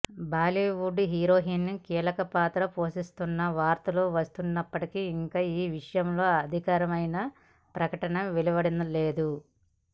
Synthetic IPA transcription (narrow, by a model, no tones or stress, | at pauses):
baːliːʋuɖɦiːɾo̞ːɦiːnnikiːlɐkɐpaːt̪ɾɐpo̞ːʂist̪unːɐʋaːɾt̪ɐluʋɐst̪unːɐpːɐʈikiiŋkaːiːʋiʂɐjɐmlo̞ːɐd̪ʱikaːɾɐmɐjnɐ | pɾɐkɐʈɐnɐmʋilibɐɽinɐle̞ːd̪u